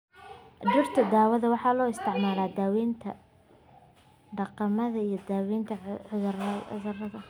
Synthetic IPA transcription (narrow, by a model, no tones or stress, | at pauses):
d̪ʊrt̪ʰɐd̪aːwɐðɐwɑħɑːlɔːɪst̪ʰɪʕmaːlaːd̪aːwiːnt̪ʰɐ̰ | ɖɑqɑmɐðɐijɞd̪aːwiːnt̪ʰɐʕʊðrʊ̰ðɐrɐðɐ